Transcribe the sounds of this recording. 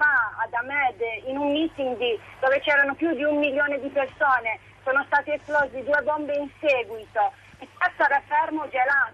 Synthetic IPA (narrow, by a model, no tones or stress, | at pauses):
aad̪amɛd̪inumːit̪ind̪id̪̥ɔːvet͡ʃɛːɾanopjud̪iumːiljoːned̪ipersɔːne | soːnost̪aːt̪iɛsplɔzid̪uːebɔmbeinseːɡwit̪o | ɛtːɛt̪ːaɾafɛɾmod͡ʒɛla